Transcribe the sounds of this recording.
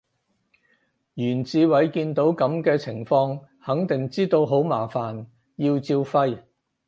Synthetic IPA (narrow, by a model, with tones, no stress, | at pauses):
jyː˨˩nt͡siː˨˧wɐ˨˥jkiː˧nt̪o˨˥wkɐ˨˥mkɛː˧t͡sʰɪ˨˩ŋfɔː˧ŋ | hɐ˨˥ŋt̪ɪ˨˩ŋt͡siː˥t̪o˧wɦo˨˥wmaː˨˩faː˨˩n | jiː˧wt͡siː˧wfɐ˧j